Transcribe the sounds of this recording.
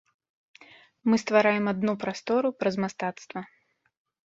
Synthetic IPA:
mɨst̪vaɾajɛmad̪nupɾast̪ɔɾupɾɐzmast̪at̪st̪vɐ

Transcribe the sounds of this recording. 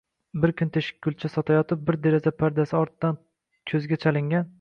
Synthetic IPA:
bɪɾkʰʲʊnt̪ʰeʃɪ̥k̚ʲkʰːʊlt͡ʃʰasɒt̪ʰajɒt̪ʰɪp̚bɪɾd̪e̞ɾazapʰaɾd̪asɪɒɾt̪d̪̥an | kʲʰɵzɡʲat͡ʃʰalɪŋɡʲan

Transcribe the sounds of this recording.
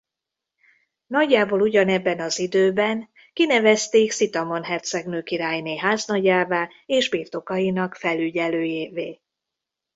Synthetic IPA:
nɒɟːaːboːluɟɒnɛbːɛnɒzid̪øːbɛn | kinɛvɛst̪eːksit̪ɒmo̞nɦɛrt̪sɛɡnøːkiɾaːjneːɦaːznɒɟaːvaː | eːʒbirt̪o̞kɒjinɒkfɛlyɟɛløːjeːveː

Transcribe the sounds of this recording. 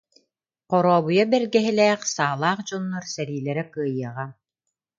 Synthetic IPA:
qɔɾɔːβujabɛɾɡɛɦɛlɛːχsaːlˠaːχd͡ʑɔnːɔɾsɛɾiːlɛɾɛkɯːjɯɐʁa

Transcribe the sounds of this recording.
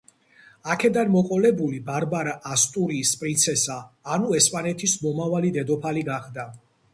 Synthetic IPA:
akʰɛd̪anmɔqʼɔlɛbulibaɾbaɾaʔast̪ʼuɾiːspʼɾint̪sʰɛsaːnuɛspʼanɛt̪ʰismɔmavalid̪ɛd̪ɔpʰaliɡaχd̪a

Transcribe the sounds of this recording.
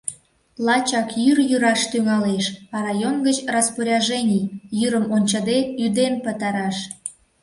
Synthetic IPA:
lɑt͡ɕɑkjyrjyɾɑʃt̪yŋɑleʃɑɾɑjonɡət͡ɕrɑspoɾʲɑʒenʲijyɾəmonʲt͡ɕəd̪eyd̪empət̪ɑɾɑʃ

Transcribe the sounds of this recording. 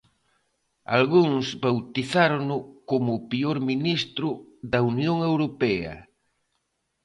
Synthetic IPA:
a̰lɣuŋsbawt̪iθaɾonʊkomʊpioɾminist̪ɾʊðɐunjoŋewɾopɛɐ̰

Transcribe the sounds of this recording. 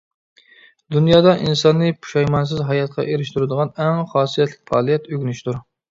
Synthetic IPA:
d̪unjɑːd̪ɑʔinsɑnːɨpʰu̥ʃɑjmɑns̬ɪzɦɑjɑt̪̚qʰɑ̰ʔeɾɪʃt̪yɾɨd̪əʁɑnɛŋχɑːsijɛt̪ʰlɪk̚ʲfɑ̰ːlˠijɛt̪øɡʲynyʃt̪uɾ

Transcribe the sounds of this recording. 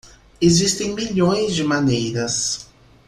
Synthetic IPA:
ezist̪ẽŋmiʎõj̃zd͡ʒɪmanejɾɐs

